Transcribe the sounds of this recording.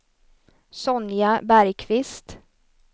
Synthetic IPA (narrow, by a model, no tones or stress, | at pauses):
sɔnjabæɾjkʰvɪst̪